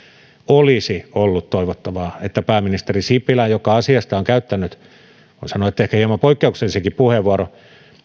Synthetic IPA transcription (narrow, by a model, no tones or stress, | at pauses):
olisiolːut̪t̪oiʋot̪ːɑʋɑːet̪ːæpæːminist̪erisipilæjjokɑɑsiɑst̪ɑoŋkæyt̪ːænːyt̪ | kunsɑnoet̪ːæehkæhiemɑmpoikːeukselisekippuheʋʋuɑro